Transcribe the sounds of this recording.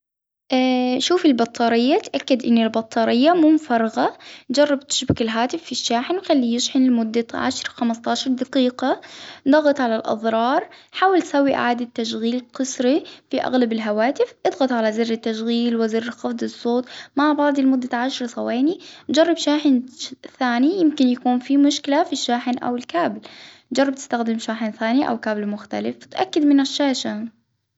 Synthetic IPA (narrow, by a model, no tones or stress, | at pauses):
ʔaʃuːfɪlbɑt̪ʰˤːɑːɾɪjːat̪ʔakːad̪ʔɪnːɪlbɑt̪ˤːɑːɾɪjːamumfɑɾˤɑɣɑd͡ʒɑrˤːɑb̚t̪ɪ̥ʃbɪkɪlɦaːt̪ɪfːiʃːaːħɪnxalːijɪʃħɪnɪlmʊd̪ːaʕa̰ʃɾˤxamɑst̪ˤɑːʃɑɾˤd̪ɑqiːqɑd̪ɑɣɑt̪ˤʕalalʔɑ̰ðˤɾˤɑːɾˤħaːwɪlt̪sawːiʔa̰ʕaːd̪at̪ːaʃɣiːlqɨsɾifiʔa̰ɣlabɪlɦawaːt̪ɪfʔɨd̪ˤɣɑt̪ˤʕalazɪrːɪt̪ːaʃɣiːlwɪzɪrːxɑfd̪ˤɨsˤːoːt̪ˤmaʕbɑʕd̪ˤɪlmʊd̪ːaʕaʃɾˤsˤɑweːnid͡ʒɑrˤːɑbʃaːħɪnθaːnijɪmkɪnjakuːnfimʊʃkɪlafiʃːaːħɪnʔa̰wɪlkaːbl | d͡ʒɑrˤːɑb̚t̪ɪst̪axd̪ɪmʃaːħɪnθaːniʔa̰wkaːbɪlmʊxt̪a̰lɪft̪ʔakːad̪mɪnaʃːaːʃa